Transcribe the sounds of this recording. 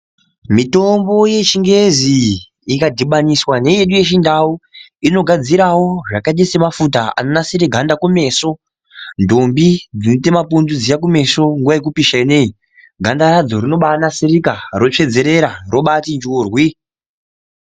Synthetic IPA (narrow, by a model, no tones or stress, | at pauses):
mito̞mbo̞je̞t͡ʃiŋɡe̞ziː | kadʱiɓaniswane̞je̞ɗuje̞ʃindau | ino̞ɡʱad͡ziɾawo̞ʐakaɗesemafut̬aa̰no̞nasiɾeɡʱandakume̞so̞ | ndombid͡zinitemapundud͡zijak̬ume̞soŋɡuʋajek̬upiʃainei | ɡʱandarad͡zo̞rino̞ɓanasiɾikaro̞t͡ʂe̞d͡ze̞ɾe̞ɾaro̞ɓatind͡ʒuːrwi